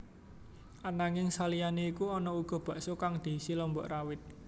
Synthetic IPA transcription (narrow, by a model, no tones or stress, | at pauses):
ʔanaŋɪŋsalijaneikuɔnɔuɡ̥ɔ̤b̥ä̤ʔsokaŋd̪̥i̤silɔmbɔ̰ʔrawɪt̪̚